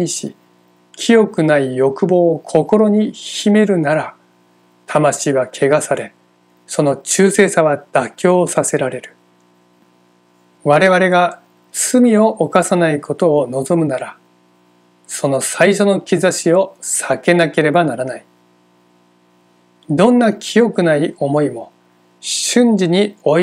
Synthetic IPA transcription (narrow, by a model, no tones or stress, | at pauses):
iɕḭ | kʲʰijo̞kɯ̟naijo̞kɯ̟bo̞ːkʰo̞ko̞ɾo̞ɲ̟içime̞ɾɯ̟naɾa | t̪ʰamaɕiːβakʰe̞ɡasaɾe̞ | so̞no̞t͡ɕɨːse̞ːsaβad̪̥akʲo̞ːsase̞ɾaɾe̞ɾɯ̟̥ | βaɾe̞βaɾe̞ɡa | t͡sɨmʲio̞ʔːkasanaiko̞t̪o̞ːno̞zo̞mɯ̟naɾa | so̞no̞saiɕo̞no̞kʲizaɕio̞sake̞nake̞ɾe̞banaɾanai | d̪õ̞nːakʲʰijo̞kɯ̟naio̞mo̞imo̞ | ɕɨ̃ɲd͡ʑiɲ̟io